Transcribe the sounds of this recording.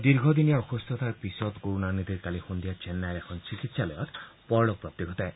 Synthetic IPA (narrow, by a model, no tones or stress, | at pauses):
d̪iɾɡʱɔd̪inijaɔxust̪ʰɔt̪ʰaɾpisɔt̪koɾunaɾnid̪iɾkalixund̪ijat͡ʃenːajɾekʰɔnt͡ʃikit̪salɔjɔt̪pɔɾɭɔk̚pɾɔpt̪ːiɡʱɔt̪aj